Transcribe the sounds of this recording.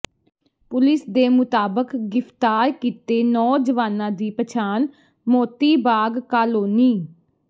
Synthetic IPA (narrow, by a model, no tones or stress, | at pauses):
pʊlɪsd̪eːmʊt̪aːbəkɡɪft̪aːɾkiːt̪eːnɔːd͡ʒəʋaːnãːd̪iːpət͡ʃʰaːn | moːt̪iːbaːɡkaːloːniː